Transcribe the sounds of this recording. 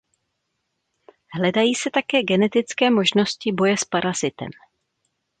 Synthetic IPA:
hlɛdajiːsɛt̪akɛːɡɛnɛt̪ɪt͡skɛːmo̞ʒno̞scɪbo̞jɛspaɾazɪt̪ɛ̰m

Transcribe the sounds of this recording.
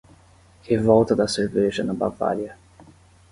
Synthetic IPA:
hevɔwt̪ɐd̪ɐseɾveʒɐnɐba̰va̰ɾiɐ

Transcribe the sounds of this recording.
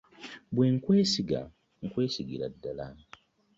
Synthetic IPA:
bweːŋkwe̞ːsiɡa̰ | ŋkwe̞ːsiɡiɾa̰dːala

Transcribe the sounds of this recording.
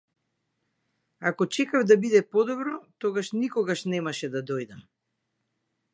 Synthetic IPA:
akɔt͡ʃɛkavd̪abid̪ɛpɔd̪ɔbɾɔt̪ɔɡaʃnikɔɡaʃnɛmaʃɛd̪ad̪ɔjd̪am

